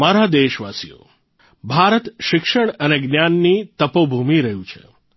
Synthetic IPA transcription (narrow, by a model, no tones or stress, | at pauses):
maɾad̪eʃʋasḭjo̰ | bʱaɾət̪ʃɪkʃəɳəneɡnjanːit̪əpobʱumiɾəɦjũt͡ʃʰḛ